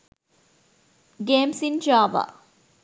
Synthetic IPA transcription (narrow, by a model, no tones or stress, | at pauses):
ɡeːmsind͡ʒaːʋa̰